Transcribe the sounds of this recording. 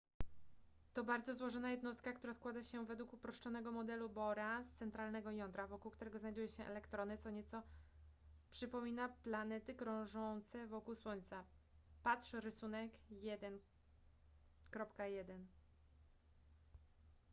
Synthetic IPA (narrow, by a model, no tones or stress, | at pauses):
t̪ɔbaɾd̪zɔzwɔʐɔnajɛd̪nɔst̪̚kakt̪uɾaskwad̪aɕɛvɛd̪wukupɾɔʂt͡ʂɔnɛɡɔmɔd̪ɛlubɔɾast̪sɛnt̪ɾalnɛɡɔjɔnd̪ɾavɔkuwkt̪uɾɛɡɔznajd̪ujɛɕɛʔɛ̰lɛkt̪ɾɔnɘt̪sɔɲɛt̪sɔ | pʂɘpɔmʲinaplanɛt̪ɘkɾɔ̃w̃ʐɔnt̪sɛvɔkuwswɔɲt̪sa | pat̪ʂɾɘsunɛkjɛd̪ɛn | kɾɔpkajɛd̪ɛn